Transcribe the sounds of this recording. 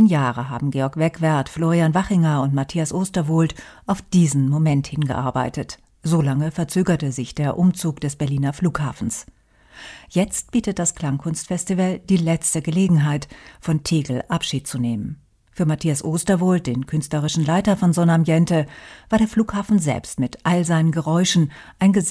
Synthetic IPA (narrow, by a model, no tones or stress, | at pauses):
njaːʁəɦa̰ːbm̩ɡeːɔɐkv̥ɛkv̥ɛɐtfloːʁianvaχɪŋɐʊntmatʰiːasʔoːstɐvʊltʔaʊfd̥iːzn̩momɛnthɪnɡə̰ʔa̰ɐba̰ɪtət | z̥olaŋəfɛɐt͡søːɡɐtəzɪçd̥eːɐʔʊmt͡suːkd̥ɛsb̥ɛɐliːnɐfluːkhaːfn̩s | jɛt͡st̚b̥iːtət̚d̥askl̥aŋkʰʊnstfɛstivəld̥iːlɛt͡stəɡəleːɡŋ̩ɦaɪtfɔntʰeːɡl̩ʔapʃiːt̚t͡suneːmən | fyːɐmatʰiːasʔoːstɐvʊlt̚d̥eːnkʰʏnstləʁ̞ɪʃn̩laɪtɐfɔnzɔnamjɛntəvaːɐɾeːɐfluːkhaːfn̩zɛ̰lpstmɪtʔalzaɪnənɡəʁɔʏʃn̩ʔaɪnɡə